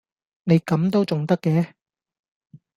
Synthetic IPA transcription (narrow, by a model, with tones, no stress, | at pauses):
ne˨˧jkɐ˨˥mt̪o˥wt͡sʊ˨ŋt̪ɐ˥kːɛː˨˦